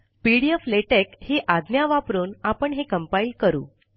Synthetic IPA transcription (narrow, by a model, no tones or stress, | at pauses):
piɽiəfleʈekheʔad̪njaʋapɾuːnapəɳɦekəmpailkəɾṵː